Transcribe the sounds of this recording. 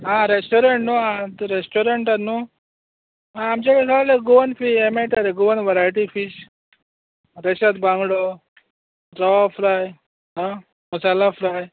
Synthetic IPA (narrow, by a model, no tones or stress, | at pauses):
ɦãɾesʈoɾeɳʈnoɦãt̪uɾesʈoɾeɳʈanu | ɦãːmt͡ɕekakʰaleɡuʋənfiemeʈaɾeɡuʋənʋəɾajʈifiɕ | ɾeɕat̪̚bãŋɡɽo | ɾəʋafɾaj | ɦã | məsalafɾaj